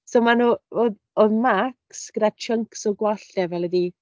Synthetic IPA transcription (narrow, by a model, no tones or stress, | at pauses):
somanuːoð | ɔðmaksɡ̥ədat͡ʃʰəŋksɔɡwaɬtɛvɛlˠɛdi